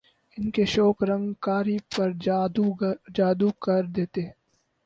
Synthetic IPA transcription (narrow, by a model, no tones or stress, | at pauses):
ɪnkeʃɔːkɾɐ̃ŋɡkaːɾipɐɾd̪ud͡ʒaːd̪ukɐɾd̪eːt̪eː